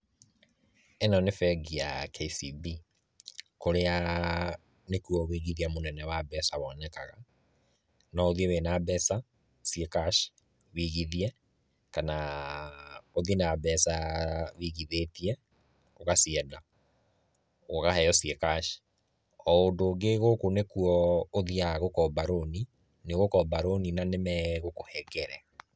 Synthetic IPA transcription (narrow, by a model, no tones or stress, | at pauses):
enɔnefɛɡiakʰeisibi | koɾea | nekuɔβiɣiðiamonɛnɛwabɛsaβɔnɛkaɣa | nɔoðiewenabɛsa | siɛkaʃ | wiɣiðiɛ | kana | oðienabɛsawiɣiðetiɛ | oɣasiɛda | oɣahɛjɔsiɛkaʃ | ɔondoɡeɣokonekuɔoðiaɣokɔbaɾoni | neɣokɔbaɾoninanemɛɣokohɛɡɛɾɛ